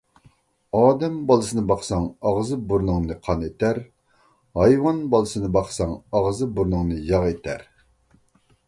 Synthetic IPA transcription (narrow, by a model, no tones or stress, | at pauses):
ɑːd̪ɛmbɑlˠɨsɨnɨbɑχsɑŋɑʁzɨbuɾnɨŋnɨqʰɑnet̪æɾ | hɑjwɑnbɑlˠɨsɨnɨbɑqsɑŋɑʁzɨbuɾnɨŋnɨjɑʁet̪ʰæɾ